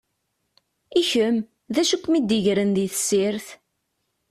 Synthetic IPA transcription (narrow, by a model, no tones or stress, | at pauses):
içəm | ðæʃukʷːmid̪iʝɾənðiθə̥sːɪɾθ